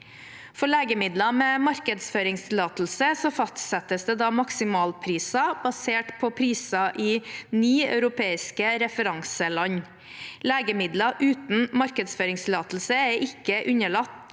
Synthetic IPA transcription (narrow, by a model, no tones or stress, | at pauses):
fɔɭeːɡəmɪd̪lɑmeːmɑɾkəd̪sføːɾɪŋst̪ʰɪlɑːt̪l̩səsɔfɑst̪sɛt̪əsd̪eːd̪ɑːmɑksɪmɑːlpʰɾiːsɑbɑseːʈpʰɔpʰɾiːsɑʔɪnyːœ̰ʉɾʊpʰeːɪskəɾɛfəɾɑŋsəlɑɲ | leːɡəmɪd̪lɑʔʉːt̪n̩mɑɾkəd̪sføːɾɪŋst̪ʰɪlɑːt̪l̩səɛɾʔɪkːəʔʉɲəɭɑt̪ː